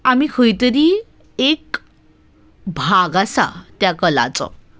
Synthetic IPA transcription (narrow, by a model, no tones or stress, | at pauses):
amikʰəjt̪əɾi | ek | bʱaɡasa̰t̪jakəla̰t͡sɔ̰